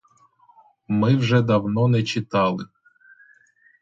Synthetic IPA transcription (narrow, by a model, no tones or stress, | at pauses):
mɪwʒɛd̪ɐwnɔnɛt͡ʃɪt̪ɑlˠɪ